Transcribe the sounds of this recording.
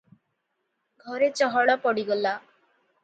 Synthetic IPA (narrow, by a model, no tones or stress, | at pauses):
ɡʱɔɾet͡ʃɔɦɔɽɔpɔɽiɡɔla